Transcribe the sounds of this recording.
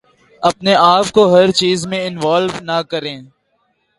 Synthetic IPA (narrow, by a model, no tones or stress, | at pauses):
ɐpneʔaːpkoɦɐɾt͡ʃiːzmẽɪnʋaːlʋnɐkəɾẽː